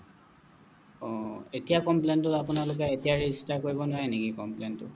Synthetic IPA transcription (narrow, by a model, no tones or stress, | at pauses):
ɔetijakɔmplentʊtapʊnalʊk̬ɛetijaɹezistaɹkoɹibɔnʊwaɛnekikɔmplentʊ̰